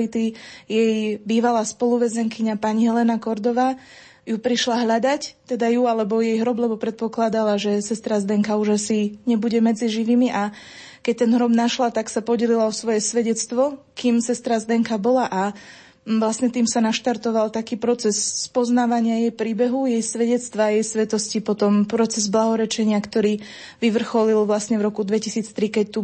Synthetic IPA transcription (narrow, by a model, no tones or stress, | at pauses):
lit̪ijɛjbiːʋalaːspɔluʋɛzɛŋkiɲapaɲiɦɛlɛnakɔɾd̪ɔʋaː | jupɾiʃlaɦʎad̪act̪ɛd̪ajualɛbɔjɛjɦɾɔblɛbɔpɾɛt̪̚pɔklad̪alaʒɛsɛst̪ɾazd̪ɛŋkauʒasiɲɛbuɟɛmɛd͡ziʒiʋiːmiʔa | kɛc̚t̪ɛnɦɾɔbnaʃlat̪aksapɔɟɛlilaɔsʋɔjɛsʋɛɟɛt͡st̪ʋɔ | kiːmsɛst̪ɾazd̪ɛŋkabɔlaʔa | ʋlasɲɛt̪iːmsanaʃt̪aɾt̪ɔʋalt̪akiːpɾɔt͡sɛsːpɔznaːʋaɲɪajɛjpɾiːbɛɦujɛjsʋɛɟɛt͡st̪ʋaːjɛjsʋɛt̪ɔscipɔt̪ɔmpɾɔt͡sɛzblaɦɔɾɛt͡ʃɛɲɪakt̪ɔɾiː | ʋiʋr̩xɔlilʋlasɲɛvɾɔkud̪ʋɛcisiːt͡st̪ɾikɛc̚t̪u